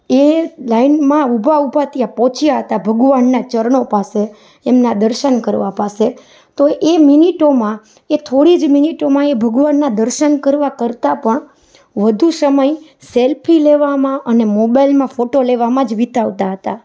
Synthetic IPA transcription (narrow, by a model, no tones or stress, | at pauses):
elainmãubʱaubʱat̪ijapɔ̃t͡ʃʰjaɦət̪abʱəɡʋanːat͡ʃəɾɳopase | emnad̪əɾʃənkəɾʋapase | t̪oʔeminiʈomã | et̪ʰoɽid͡ʒminiʈomãebʱəɡʋanːad̪əɾʃənkəɾʋakəɾt̪apəɳ | ʋəd̪ʱusəməj | selpʰileʋamãʔənemobajlmãfoʈoleʋamãd͡ʒʋit̪aʋt̪aɦət̪a